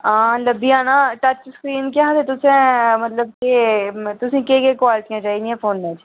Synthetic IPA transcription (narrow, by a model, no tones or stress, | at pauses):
ãːləbiãːnaʈət͡ʃskɾiːnkjãɦt̪et̪ʊsẽmət̪ləb̚ket̪ʊsĩːkeːkekwaːlɪʈijãːt͡ʃaːiːd̪ĩɛ̃ːfoːnmẽt͡ʃ